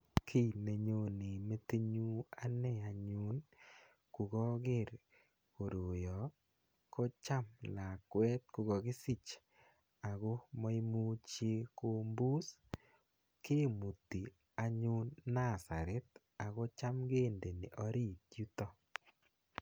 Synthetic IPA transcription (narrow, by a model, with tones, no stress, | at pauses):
kʰi˦ne˨ɲo˨ne˨me˦te˦ɲu˦a˦nɛ˦˨a˨ɲʊ˦n | ku˨ɡɔ˦ɡɪ˦˨ɾ | ko˨ɾo˨jɔ˨ | ko˦t͡ʃa˦mla˨kwɛ˦t̪̚ku˧ɡɔ˨ɡɪ˦sɪ˦t͡ʃ | a˨ɣo˦mɔ˦i˦mu˦t͡ʃe˦ko˦mbu˦s | ke˦mu˨ti˨ | a˦ɲʊ˦nːa˦˨sa̰˨ɾɛ˦t̚ | a˨ɣo˦t͡ʃa˦mɡe˦˨nde˨ne˨ʔɔ˦ɾi˦˨kju˦tɔ˦